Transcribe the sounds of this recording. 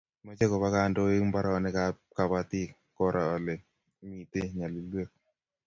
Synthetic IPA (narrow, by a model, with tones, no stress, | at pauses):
mɔ˦t͡ʃe˦kɔ˨ba˦ka˦˨ndo˦e˦ŋba˦ɾɔ˨nɛ˦ka˦ | ka˨ba˦t̪i˦ | kɔ˦ɾʔa˨ɔ˨le˨ | mi˨t̪e˦ɲa˨li˨lwe˦k̚